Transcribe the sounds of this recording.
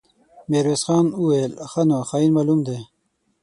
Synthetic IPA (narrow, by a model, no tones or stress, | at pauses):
meːɾweːsxɑːnuwelxɐnoxainmalumd̪e